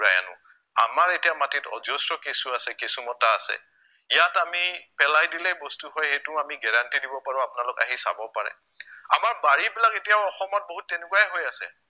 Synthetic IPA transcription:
ɹaja̰nʊ̰ | a̰maɹetijamatitɔ̰zostɔkesuasɛkesumɔtaːsɛ̰ | ijatamipɛlajdilɛbɔstuɦojhejtʊamiɡɛɹantidibɔpaɹʊapʊnalʊka̰ɦisa̰bɔpaɹɛ̰ | a̰maɹbaɹibilaketijaʊɔxɔmɔt̚boɦutːɛnekwajɛɦojasɛ̰

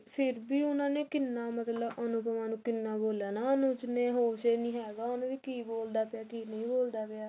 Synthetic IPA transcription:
pʰɪɾbiːʊnãːneːkɪnːaːmət̪ləbənũːpəmaːnũːkɪnːaːboːljaːnaːənũːt͡ʃneːɦoːseːnĩːɦɛːɡaːʊnũːʋiːkiːboːld̪aːpjaːkiːnəĩːboːld̪aːpejaː

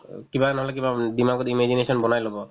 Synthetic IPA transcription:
kibanɔɦɔlɛk̬ibadimaɡɔtimezinesɔnbɔnajlobɔ

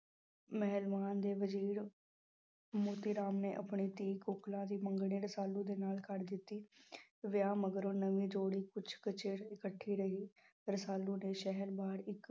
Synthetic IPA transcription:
mɛɦəlbaːnd̪eːʋəziːɾ | moːt̪iːɾaːmneːʔəpɳiːt̪iːkoːklãːd̪iːməŋɡɽ̃iːɾəsaːlːũːd̪eːnaːlkəɾd̪ɪt̪ːiːʋɪjaːməɡɾõːnəʋĩːd͡ʒoːɽiːkʊt͡ʃʰkət͡ʃeːɾɪkəʈʰːiːɾəɦiː | ɾəsaːlːũːneːʃɛɦəɾbaːɾɪk

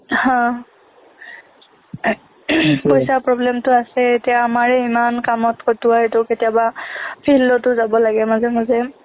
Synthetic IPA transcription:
hɔ̃ | pojsapɹɔblɛmtʊasɛetijaːmaɹɛimankamɔtkɔtʊatʊketijabapʰilːɔtʊzabɔlaɡɛmazɛmazɛ

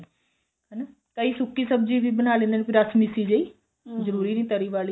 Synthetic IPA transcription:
ɦəna | kəiːsʊkːiːsəbd͡ʒiːʋiːbənaːlẽːnd̪ːnpʰɪɾəsmɪsiːd͡ʒəiː | zəɾuːɾiːnĩːt̪əɾiːʋaːli

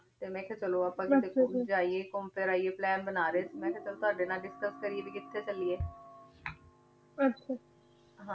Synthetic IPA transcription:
t̪eːmɛ̃ːkʰɛːt͡ʃəloːaːpãːkɪt̪eːkoːd͡ʒaːieːkoːmpeːɾaːiːeːplɛːnbənaːɾeːsiːmɛ̃ːkʰɛːt͡ʃəloːt̪ʊaːɖeːnaːlɖɪskəskəɾieːbiːkɪt̪ʰːeːt͡ʃəlieː | əta | ɦãː

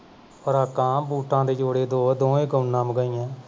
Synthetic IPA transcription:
pəɾaːkːãːbuːʈãːd̪eːd͡ʒoːɽeːd̪oːd̪oːẽːɡənːãːmɡəĩːãː

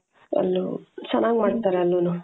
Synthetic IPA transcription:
ɐ̰lːot͡ʃɛnaːɡmaːɖt̪aːɾeɐlːonu

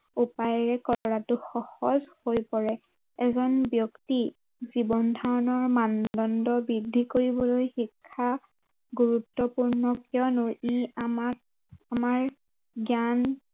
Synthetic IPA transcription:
upajɹɛkɔɹatʊxɔxɔzhojpɔɹɛ | ɛzɔnbjɔkti | zibɔndʱaɹɔnɔɹmandɔndɔbɹidʱːikoɹibɔlojxikʰːa | ɡuɹutːɔpuɹnɔkiɔnʊɹiamak | amaɹ | ɡjan

